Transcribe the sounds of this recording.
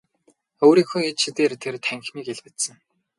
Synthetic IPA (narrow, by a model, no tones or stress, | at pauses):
oːɾiːŋxoːet͡ɕt͡ɕʰit̪eːrt̪ʰert̪ʰæŋxmiːkeɮpɘ̆t̪sə̆ŋ